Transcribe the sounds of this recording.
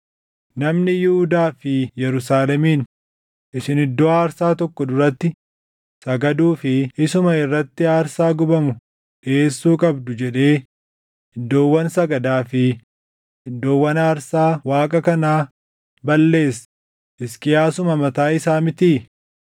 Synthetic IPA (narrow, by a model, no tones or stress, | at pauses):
nɐmnɪjɪhʊd̪aːfɪjɛɾʊsaːlɛmiːn | ʔɪsɪnɪd̪ːɔaːɾsaːt̪ɔkːɔd̪ʊɾɐt̪ːɪ | sɐɡɐd̪uːfɪɪsʊmɐɪrːɐt̪ːɪaːɾsaːɡʊbɐmʊ | ᶑeːsːuːkʼɐbd̪ʊd͡ʒɛᶑe̞ː | ɪd̪ːo̞ːwːɐnsɐɡɐd̪aːfɪ | ɪd̪ːo̞ːwːɐnaːɾsaːwaːkʼɐkɐnaː | bɐlːe̞ːs | ʔɪskɪjaːsʊmɐmɐt̪aːɪsaːmɪt̪iː